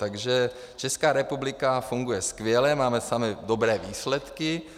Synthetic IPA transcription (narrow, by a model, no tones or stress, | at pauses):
t̪aɡʒɛ | t͡ʃɛskaːɾɛpublɪkafuŋɡujɛskvjɛlɛmaːmɛsamɪdobɾɛːviːslɛt̪kɪ